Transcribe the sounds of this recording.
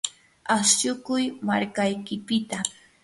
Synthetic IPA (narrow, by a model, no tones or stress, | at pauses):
asʃʊkʊjmaɾkajkɪpɪt̪a